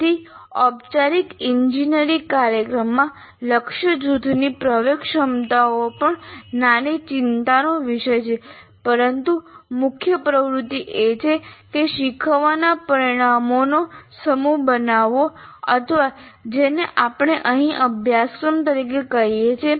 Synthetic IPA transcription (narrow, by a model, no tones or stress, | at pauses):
t̪ʰi | ɔbt͡ʃaɾik̪ɪɲd͡ʒinəɾikaɾjəkɾəmːã | ləkʃəd͡ʒud̪ʱnipɾəʋekʃəmt̪aopəɳnanit͡ʃɪnt̪anoʋɪʃəjt͡ʃʰepəɾənt̪umʊkʰjəpɾəʋɾʊt̪ːiʔet͡ʃʰekeʃikʰʋanapəɾiɽ̃amonosəmubənaʋoə̰t̪ʰəʋad͡ʒeneʔapəɽ̃eʔəɦĩʔəbʱjaskɾəmt̪əɾik̬ekəɦijet͡ʃʰe